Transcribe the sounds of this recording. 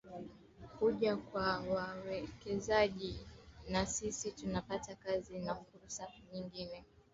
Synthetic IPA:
kuʄakwawawɛkɛzaʄinasisitunapatakazinafuɾsaɲiŋɡinɛ

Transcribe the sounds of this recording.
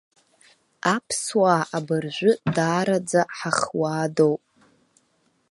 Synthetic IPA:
apʰswaːabɨrʒʷʊdaːɾad͡zaħaχwaːdowpʼ

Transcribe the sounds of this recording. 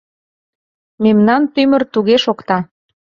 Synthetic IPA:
memnɑnt̪ymərt̪uɣeʃokt̪ɑ

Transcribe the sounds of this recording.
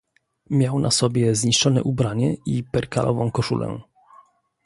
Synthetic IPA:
mʲjawnʔasɔbʲjɛzɲiʂt͡ʂɔnɛ̰ʔubɾaɲɛipɛɾka̰lʔɔ̰vɔ̃kɔʂṵlʔɛ̰

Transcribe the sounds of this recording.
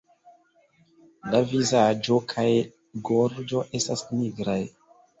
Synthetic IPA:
lavizad͡ʒo̞kʰaj | ɡoɾd͡ʒo̞ʔe̞stasniɡɾaj

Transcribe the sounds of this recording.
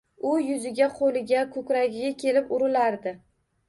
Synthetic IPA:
ʊjʊzɪɡʲaqʰolɪɡʲakʰɵkʲɾaɡʲɪɡʲakʲʰe̞lɪpʊɾɪlaɾd̪ɪ

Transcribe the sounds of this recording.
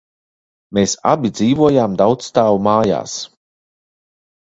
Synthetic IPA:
meːsa̰bʲid̪ziːvuɔjaːmd̪awt̪st̪aːvumaːja̰ːs

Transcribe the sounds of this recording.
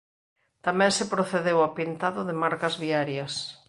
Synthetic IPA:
t̪amɛ̃ŋsɪpɾoθeðewapint̪aðʊðɪmaɾkɐzβiaɾjɐs

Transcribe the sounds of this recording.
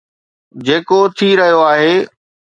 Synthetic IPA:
d͡ʑeːkot̪ʰiɾɐɦijoaːɦeː

